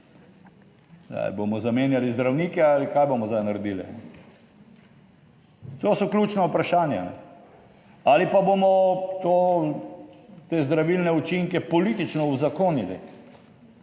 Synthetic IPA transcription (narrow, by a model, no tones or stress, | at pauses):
d̪a̰jbomɔzameːnjalizd̪ɾawniːkɛalikajbomɔzd̪ajnaɾɛd̪ilḭa̰nɛ | t̪oːsɔklʲut͡ʃnaupɾaʃaːnja̰nɛ̰ | alipaboːmɔt̪oː | t̪eːzd̪ɾaʋilnɛut͡ʃiŋkɛpɔlit̪it͡ʃnɔwzakonid̪ḛ